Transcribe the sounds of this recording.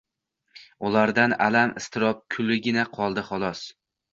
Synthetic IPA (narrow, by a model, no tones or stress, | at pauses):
ʊlaɾd̪ana̰lamɪst̪ʰɪɾɒp̚kʰʊlːɪɡʲɪnaqʰɒlˠd̪ɪχɒlˠɒs